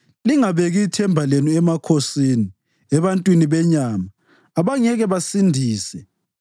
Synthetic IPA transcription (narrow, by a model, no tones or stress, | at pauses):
liŋaβeɣiːtʰɛmbʱalenuɛmakʰosiːni | ɛβantʼwiniβɛɲaːmaː | βaŋɛɣɛβasindʱiːsɛ